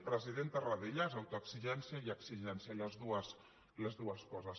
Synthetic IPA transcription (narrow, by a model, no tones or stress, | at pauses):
pɾəziðent̪əraðeʎazawt̪oaksiʒɛnsjaiaksiʒɛnsjaləzðuəs | ləzðuəskɔzəs